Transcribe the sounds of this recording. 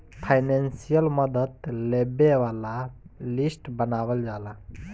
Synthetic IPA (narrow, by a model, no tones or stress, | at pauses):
pʰajnensijəlmʌd̪ət̪lebewalalisʈbənawəld͡ʒala